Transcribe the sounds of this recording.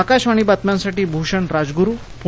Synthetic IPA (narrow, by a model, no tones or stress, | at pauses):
akaɕʋaɽ̃ibat̪mjãnsaʈiːbʱuɕəɳɾad͡zɡuɾuːpu